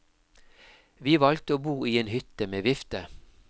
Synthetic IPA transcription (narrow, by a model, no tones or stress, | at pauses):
ʋiːʋɑlk̚t̪əoːbuːiːeːnhʏt̪əmeːʋɪft̪ə